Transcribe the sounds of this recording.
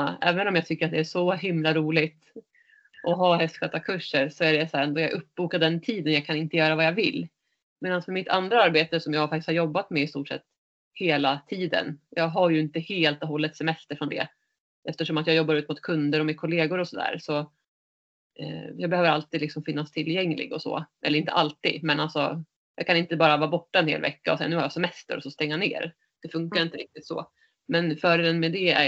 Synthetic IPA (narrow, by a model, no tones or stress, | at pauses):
ɛ̰ːvənɔmjaːɡt̪ʰʏkːəɾat̪̚d̪ɛæʂɔɦɪmlaɾuːlɪt̪ | ʔɔɦaɦɛst̪ɧøːt̪akʰɵʂːəɾʂɔæɖɛsæɾɛnd̪oːjɑɡʔɵpːbuːkad̪ɛnt̪ʰiːd̪ənjɑːɡkʰanɪnt̪əjœːɾavajavɪ̰lː | meːd̪ansmœɾmɪt̪ʰa̰nd̪ɾaaɾbeːt̪əsɔmjɑːɡɡfak̚t̪ɪsthaɾjɔbːat̪mɛɪst̪uːʈʂɛ̰t̪ː | heːlat̪ʰiːd̪ə̰njɑːɡɦaɾjɵɪnt̪əheːlt̪ɔɦɔlːət̪sɛmɛst̪əɾfɾɔnd̪ɛ̰ | ʔɛft̪əʂɔmat̪jɑːjɔbːaɾʉ̟ːt̪mʊt̪̚kʰɵnd̪əɾɔmɪnkʰɔleːɡʊɾɔsɔd̪æ̰ːɾsɔ | jɑːɡbɛhøːvəɾalt̪iːd̪lɪksɔmfɪnːast̪ʰɪlːjɛŋlɪ̰ɡɔsɔ̰ːʔɛ̰lːɾɪnt̪ə̰ʔalt̪ːḭːd̪mɛnalsɔ̰ | jɑːɡ̚kʰanɪnt̪əbɑːɾavɑːbɔʈːaɛnhḛːlvɛ̰kːaɔsɛanʉhaɾjɑsɛmɛst̪ə̰ɾɔsɔst̪ɛŋːanḛːɾ | d̪̥ɛfɵŋkaɾɪnt̪əɾɪk̚t̪ɪt̪sɔ̰ | mɛnfœːɖeːd̪ənmɛd̪ɛæ̰